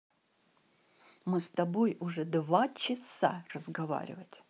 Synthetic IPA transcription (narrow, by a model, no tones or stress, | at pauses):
mɨst̪ɐbojʊʐɛd̪vat͡ɕɪsa̰rəzɡɐva̰ɾʲɪ̰vətʲ